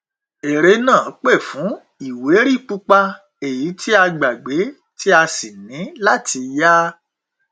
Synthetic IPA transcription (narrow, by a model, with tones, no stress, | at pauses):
e˨ɾe˧˦nã˦˨˦k͡pe˦˨fũ˨˦ | i˨we˨˦ɾi˦˨k͡pu˧k͡pa˧ | e˨ji˨˦tʰi˦a˧ɡ͡ba˨ɡ͡be˨˦ | ti˦a˧si˨nĩ˨˦la˦ti˧ja˦